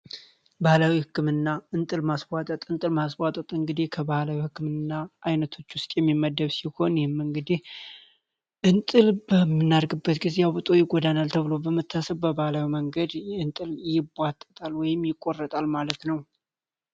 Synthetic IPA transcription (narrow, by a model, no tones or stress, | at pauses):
bahlawihɨkːɨmɨnːaɨnt̪ʼɨlmaswʷat̪ʼət̪ʼɨnt̪ʼɨlmaswat̪ʼət̪ʼɨŋɡɨd̪ihkʰəbahlawihɨkːɨmɨnːaʔajnət̪ʰo̞t͡ʃːwʊst̪ʼjɛmːimːəd̪ːəβsiho̞njhɪmːɨŋɡɨd̪ih | ʔɨnt̪ʼɨlbəmːɨnːaɾɡɨbːət̪ɡizjabɨt̪ʼo̞jɪɡod̪analt̪ʰəβɨlo̞bəmɨt̪ʰːasəβbəbahlawiməŋɡəd̪ɨnt̪ʼɨljɪbat̪ʼːət̪ʼalwɔjɪmːjɪkʼːo̞rːət̪ʼalmalət̪nəw